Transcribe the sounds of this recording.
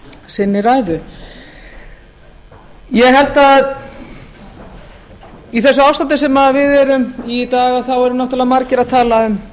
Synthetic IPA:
sɪnːɪɾaːjðʏ | jɛɣɦɛlt̪að | iθɛsːʏawst̪ant̪ɪsɛmaðvɪðɛɾʏmit̪aːɣaðθawɛɾʏmnɔht̪alɛvamaɾcɪɾaðt̪ʰaːlaʏm

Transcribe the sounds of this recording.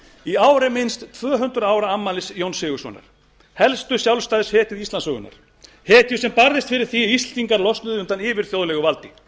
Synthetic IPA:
iaːwɾɪmɪnst̪t̪ʰvœːɦʏnt̪ɾʏaːwɾaamːalɪsjownsɪːɣʏsvɔ̰na̰ɾ̥ | hɛlst̪ʏsjawlst̪aːðɪshɛːt̪ɪðist̪lansœːɣʏ̰na̰ɾ̥ | hɛːt̪jʏsɛmpaɾðɪst̪fɪɾɪɾ̥θiist̪t̪iŋkaɾlɔst̪ʏðʏnt̪anɪːvɪɾ̥θjowðlɛɣʏvalt̪ɪ

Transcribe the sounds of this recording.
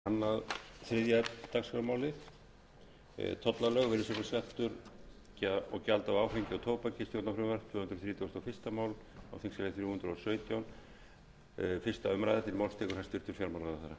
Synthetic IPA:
anːaðθɾɪðjat̪aksfaɾmaːwlɪθ | t̪ʰɔt̪lalœɣvɪɾɪsɔkaskaht̪ʏɾ | caɔ̰ɣcalt̪awaːwfeɲcɪɔt̪ʰoːwpacɪst̪jowt̪nafɾʏmaɾt̪ʰv̥ʏːhʏnt̪ɾɔθɾiːt̪jast̪awfɪr̥st̪amaːwl | a̰wθɪŋsalɪθfɪɾuhnt̪ɾɔsœːɥt̪jawn | fɪ̥st̪aʏmɾajðat̪ʰɪɾmawlst̪ʰɛːkʏɾhast̪ʏɾ̥t̪ʏɾ̥fjaɾmaːwlaaθaɾa

